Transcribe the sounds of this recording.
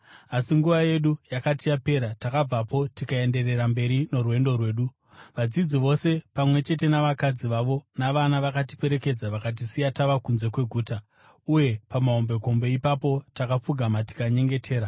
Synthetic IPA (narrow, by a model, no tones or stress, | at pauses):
asiŋɡuʋaje̞ɗujakatijape̞ɾatakab͡vapo̞tikae̞nde̞re̞rambe̞ɾino̞ruwe̞ndo̞rwe̞ːɗu | ʋad͡zid͡ziʋo̞se̞pamwe̞t͡ʃe̞te̞naʋakad͡ziʋaʋo̞naʋanaʋakati̥pe̞ɾe̞ke̞d͡zaʋakat̬isijataʋakunze̞kwe̞ɡʱuːta | uje̞pamaombe̞ko̞mbe̞ipapo̞takap͡fuɡʱamati̥kaɲe̞ŋɡe̞tʰe̞ːɾa